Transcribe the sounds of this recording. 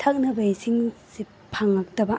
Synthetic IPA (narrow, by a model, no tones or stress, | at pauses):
tʰak̚nɐbɐisiŋsi | pʰaŋak̚tɐbɐ